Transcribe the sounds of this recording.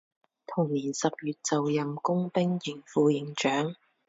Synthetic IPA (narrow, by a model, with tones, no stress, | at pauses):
t̪ʰʊ˨˩ŋniː˨˩nsɐ˨p̚jyː˨t̚t͡sɐ˨wjɐ˨mkʊ˥ŋpɪ˥ŋjiː˨˩ŋfuː˨˧jɪ˨˧˥ŋt͡ʃœː˨˥ŋ